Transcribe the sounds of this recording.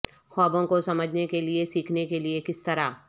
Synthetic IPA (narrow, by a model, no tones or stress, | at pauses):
xɔːbõkosɐməd͡ʒʱnekeliesiːkʰnekeliekɪst̪ɐɾaː